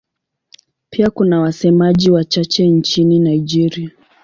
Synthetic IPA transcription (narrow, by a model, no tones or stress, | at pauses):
piakunawasɛmaʄiwat͡ʃat͡ʃɛnt͡ʃininaid͡ʒɛɾia